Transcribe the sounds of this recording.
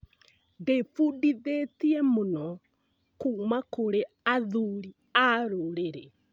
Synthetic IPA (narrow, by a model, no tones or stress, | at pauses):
defudiðetiɛmonɔ | kuːmakoɾe | aðuɾi | aɾoɾeɾɛ